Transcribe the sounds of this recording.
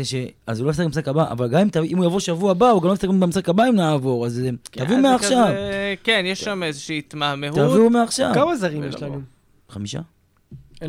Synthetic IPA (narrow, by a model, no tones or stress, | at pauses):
eʃeazulojisakbimsakabaʔa̰valɡamimt̪aimujavoʃavuabauɡamlomfsakbibemisakabaimnavoʁazt̪avumeaχʃavkenjeʃʃamezeʃiːt̪mamehutavumeaχʃa̰vkamazaʁimjeʃlau | χamiʃa̰